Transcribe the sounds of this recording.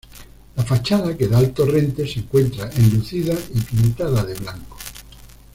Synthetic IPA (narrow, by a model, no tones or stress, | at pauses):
lafat͡ʃaðake̞ðalt̪orẽ̞nt̪e̞seŋkwe̞nt̪ɾaʔenluθiðaipint̪aðaðeβlaŋko̥